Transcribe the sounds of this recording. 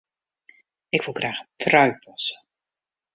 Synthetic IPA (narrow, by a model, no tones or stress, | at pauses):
ɪkʋɪlˠχraːχəntrœɥpʰɔsə